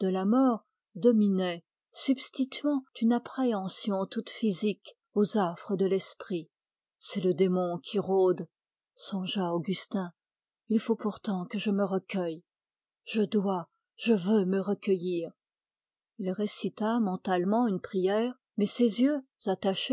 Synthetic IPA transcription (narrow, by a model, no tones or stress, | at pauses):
d̪̥əlamɔːʁ | d̪ɔminɛ | sybst̪it̪ɥɑ̃t̪ynapχeɑ̃sjɔ̃t̪ut̪fizik | ozafχəd̪əlɛspχi | sɛləd̪emɔ̃kʲʰiʁod̪ | sɔ̃ʒaoɡʲyst̪ɛ̃ | ilfopuʁt̪ɑ̃kəʒəməʁəkʲœj | ʒ̥əd̪wa | ʒ̥əvøməʁəkəjiːʁ | ilʁesit̪amɑ̃t̪almɑ̃ynpχijɛːʁ | mɛsezjøz̥at̪aʃe